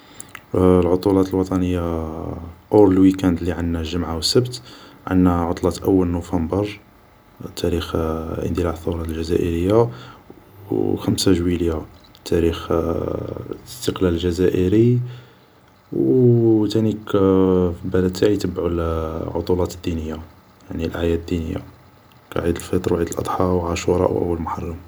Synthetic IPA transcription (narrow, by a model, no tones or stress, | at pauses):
lʕot̪ˤulɑt̪əlwɑt̪ˤɑnəjːa | ʔoɾlwikænd̪liʕənːæʒəmʕawsəbt̪ʕə̰nːæʕot̪ˤlɑt̪ʔəwːəlnufɑmbəɾˤ | t̪ʰæɾixʔə̰nd̪ilɑʕθːuɾˤɑlʒæzæʔəɾəjːa | xəmsaʒwilja | t̪ʰæɾix | st̪əqlæləlʒæzæʔəɾi | wt̪ænikfibæləd̪̚t̪ːæʕit̪əbːʕulʕo̰t̪ˤulɑt̪əd̪ːinəjːa | jaʕnilʔajæd̪d̪ːinəjːa̰ | kæ̰ʕid̪əlfɑt̪ˤɾwʕid̪əlʔɑ̰d̪ˤħɑwʕaʃuɾˤɑ̰ʔwʔə̰wːəlmʊħɑrˤːɑm